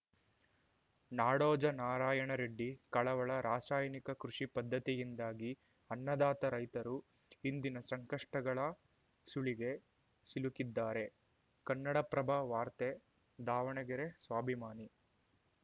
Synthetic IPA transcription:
naːɽɔːd͡ʒɐnaːɾaːjɐɳɐɾeɖːikɐɭɐʋɐɭɐɾaːsaːjɐnikɐkɾuʂipɐd̪ʱːɐt̪ijind̪aːɡi | ɐnːɐd̪aːt̪ɐɾɐjt̪ɐɾu | ind̪inɐsɐŋkɐʂʈɐɡɐɭɐ | suɭiɡe̞ | silukid̪ːaːɾe̞ | kɐnːɐɽɐpɾɐbʱɐʋaːɾt̪e | d̪aːʋɐɳɐɡɛɾesʋaːbʱimaːni

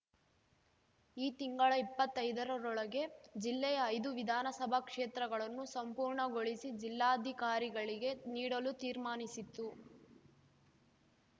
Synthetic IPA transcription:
iːt̪iŋɡɐɭɐipːɐt̪ːɐjd̪ɐɾɐɾɔɭɐɡe̞d͡ʒilːɛjɐːjd̪uʋid̪ʱaːnɐsɐbʱɐkʂeːt̪ɾɐɡɐɭɐnːusɐmpuːɾɳɐɡoɭisid͡ʒilːaːɐd̪ʱikaːɾiɡɐɭiɡe̞niːɽɐlut̪iːɾmaːnisit̪ːu

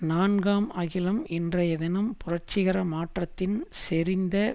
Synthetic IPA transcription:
naːnɡaːmɐɣɪlɐmɛndrɐjɐðɪnɐmpʊrɐɾt͡ʃɪɣɐɾɐmaːʈrɐt̪ːɪnsɛɾɪnd̪ɐ

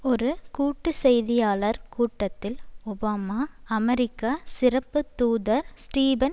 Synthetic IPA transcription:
ɔɾɯkuːʈːɯsɛjðɪjaːlɐɾkuːʈːɐt̪ːɪlɔbaːmaːɐmɛɾɪkːaːsɪɾɐpːɯt̪uːðɐɾsʈiːbɐn

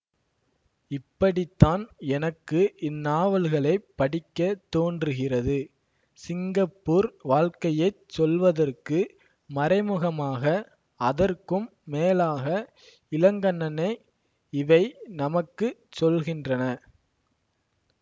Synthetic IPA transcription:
ɪpːɐɽɪt̪ːaːnɛnɐkːɯʔɪnːaːʋɐlɣɐɭɐɪpːɐɽɪkːɐt̪ːoːndrɯɣɪrɐðɯ | sɪŋɡɐpːuːɾʋaːɻkɐjɐɪ | sɔlʋɐðɐrkɯ | mɐɾɐɪmɯɣɐmaːɣɐ | ɐðɐrkɯmːeːlaːɣɐ | ɪlɐŋɡɐɳːɐnɐɪ | ɪʋɐɪnɐmɐkːɯsɔlɣɪndrɐnɐ

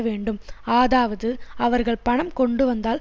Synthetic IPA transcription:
ʋeːɳɖɯmaːðaːʋɐðɯɐʋɐɾɣɐɭpɐɳɐmkɔɳɖɯʋɐnd̪aːl

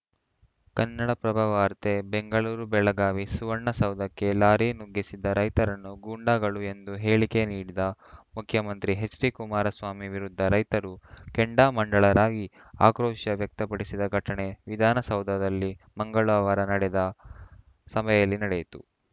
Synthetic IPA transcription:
kɐnːɐɽɐpɾɐbʱaʋaːɾt̪e̞beŋɡɐɭuːɾubɛɭɐɡaːʋisuʋɐːɐsɐwd̪ʱɐkːe̞laːɾinuɡːisid̪ːɐɾɐjt̪ɐɾɐnːuɡuːɳɖaːɡɐɭue̞nd̪uɦe̞ːɭike̞niːɽid̪ɐmukʰjɐmɐnt̪ɾiɦe̞t͡ʃɾikumaːɾɐsʋaːmiʋiɾud̪ʱːɐɾɐjt̪ɐɾukeɳɖaːmɐɳɖɐɭɐɾaːɡi | a̰ːkɾɔːʃɐʋjɐk̚t̪ɐpɐɽisid̪ɐɡʱɐʈɐɳe̞ʋid̪ʱaːnɐsɐwd̪ʱɐd̪ɐlːimɐŋɡɐɭaːʋɐɾɐnɐɽɛd̪ɐ | sɐmɐjɐlːinɐɽejit̪u

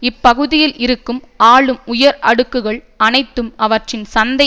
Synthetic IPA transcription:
ɪpːɐɣɯðɪjɪlʔɪɾɯkːɯm | aːɭɯmʊjɐɾɐ̰ɽɯkːɯɣɐɭ | ɐnɐɪt̪ːɯmɐʋɐʈrɪnsɐnd̪ɐ

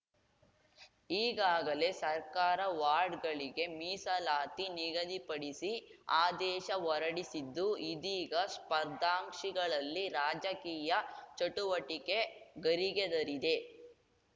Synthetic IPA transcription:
iːɡaːɡɐle̞sɐɾkaːɾɐʋaːɾɖɡɐɭiɡe̞miːsɐlaːt̪iniɡɐd̪ipɐɽisi | aːd̪ɛːʃɐʋɔɾɐɽisid̪ːuid̪iːɡɐspɐɾd̪ʱaːŋʂiɡɐɭɐlːiɾaːd͡ʒɐkiːjɐt͡ʃɐʈuʋɐʈike̞ɡɐɾiɡed̪ɐɾid̪e̞

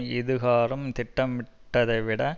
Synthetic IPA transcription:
ɪðɯɣaːɾɯmt̪ɪʈːɐmʋɪʈːɐðɐɪʋɪɽɐ

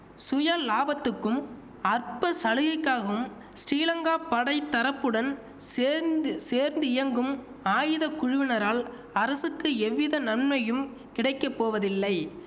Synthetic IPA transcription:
sʊjaːlaːbɐt̪ːɯkːɯm | ɐrpɐsɐɻɯɣɐkːaːɣɐʋɯm | sʈiːlɐŋɡaːpɐɽɐɪt̪ːɐɾɐpːɯɽɐn | seːɾnd̪ɯɪjɐŋɡɯm | aːjɪðɐkʊɻʊʋɪnɐɾaːl | ɐɾɐsɯkːɯɛʋːɪðɐnɐnmɐjɯm | kɪɽɐɪkːɐpːoːʋɐðɪlːɐɪ

